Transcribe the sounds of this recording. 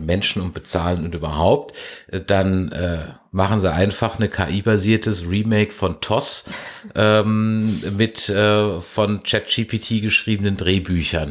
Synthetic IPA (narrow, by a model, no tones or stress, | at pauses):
mɛnʃn̩ʊmtb̥ət͡saːlənʊntʔyːbɐɦaʊp̚tʔd̥anʔɛː | maχn̩ziʔaɪnfaχnəkʰa̰ːʔiːbaziːɐtʰəsʁiːmeɪkfɔntʰɔsʔɛːmmɪtʔɛːfɔnt͡ʃɛt̚d͡ʒ̥iːpʰitʰiːɡəʃʁ̥iːbənəndʁeːbyːçɐn